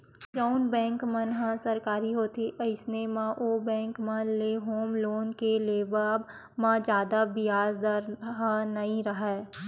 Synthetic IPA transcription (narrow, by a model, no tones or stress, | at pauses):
d͡ʒəʊnbɛ̃ːŋkmənɦə̃səɾkaːɾiɦoːt̪eʔəɪsnemãʔoːbɛ̃ːŋkmə̃nleɦoːmloːnkeleːbab | mãd͡ʒjaːd̪abɪjaːzd̪əɾɦə̃nɐɦĩɾəɦɛː